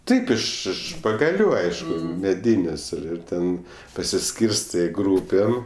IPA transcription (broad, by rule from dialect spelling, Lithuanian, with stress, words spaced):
ˈtɐɪp ɪʃ ˈɪʃ pɐɡɐˈlʲuː ˈɐɪʃkʊ ˈmʲæːdʲɪnʲeːsʲ ɪr ˈɪr ˈtʲɛn pɐsʲɪˈsʲkʲiːrstɜ ˈɡruːpʲeːm